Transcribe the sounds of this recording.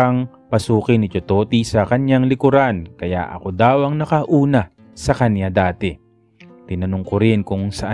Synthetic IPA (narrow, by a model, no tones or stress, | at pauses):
ɐŋ | pɐsuːkɪnɪt͡ʃot̪oːt̪isɐkɐnjaŋlɪkʊɾankɐja̰ʔɐ̰ko̞d̪aːwɐŋnɐkɐʔuːnɐ | sɐkɐnjad̪aːt̪ɛ | t̪ɪnɐnʊŋkoɾɪnkʊŋsɐʔa